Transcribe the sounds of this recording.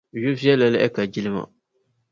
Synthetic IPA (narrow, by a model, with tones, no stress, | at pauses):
jo˦vi˦ɛ˦lːa˨lɪ˦ʔɛ̰˦ka˨d͡ʒi˦lɨ˦ma̰˨